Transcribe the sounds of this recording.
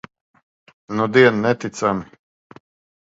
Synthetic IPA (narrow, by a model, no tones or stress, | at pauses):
nud̪iɛnnɛt̪it̪sami